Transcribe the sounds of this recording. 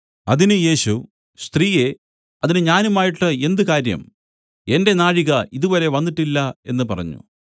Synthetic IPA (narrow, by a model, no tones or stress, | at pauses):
ɐðinɨje̞ːɕu | st̪riːje̞ | ɐðinɨɲaːnumaːjiʈːɨe̞nd̪ukaːɾjɐ̰m | e̞nde̞naːɻiɣɐiðuboːle̞ʋɐnːiʈːilːɐe̞̰nːɨpɐrɐ̰ɲːṵ